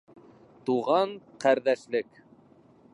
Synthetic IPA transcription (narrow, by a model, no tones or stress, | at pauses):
t̪uʁɑɴqæɾðæʃlɘk